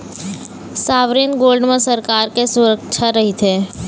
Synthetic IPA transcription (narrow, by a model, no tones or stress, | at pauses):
saːʋɾinɡoːlɖmẽsəɾkaːɾkesʊɾəkt͡ʃʰaɾɐɦit̪ʰeː